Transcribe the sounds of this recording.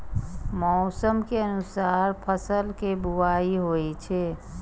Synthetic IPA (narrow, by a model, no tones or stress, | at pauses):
mɔːsəmkeənʊsaːɾpʰəsəlkebʊʋaːiɦoːit͡ʃʰe